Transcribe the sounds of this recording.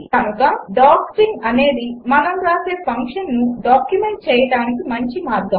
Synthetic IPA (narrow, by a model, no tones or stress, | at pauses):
kɐnukɐɖaːksiŋɐne̞ːd̪imɐnɐmɾaːse̞ːpʰɐŋkʂɐnnuɖaːkjume̞ɳʈ̚t͡ʃɛːjɐɽaːnikimɐɲt͡ʃimaːɾɡɐm